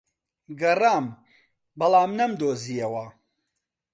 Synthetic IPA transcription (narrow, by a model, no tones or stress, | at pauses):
ɡɐraːm | bɐlˠaːmnɐmd̪oːzijɐwɐ